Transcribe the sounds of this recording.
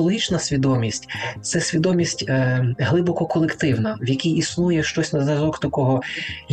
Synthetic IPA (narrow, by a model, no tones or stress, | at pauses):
lˠɔɦʲit͡ʃnɐsʲʋʲid̪ɔmʲisʲtʲt̪sɛsʲʋʲid̪ɔmʲisʲtʲːɦlˠɪbɔkɔkɔlˠekt̪ɪwnɐwjɐkʲijisnujɛʃt͡ʃɔsʲnɐzɾɐzɔkt̪ɐkɔɦɔ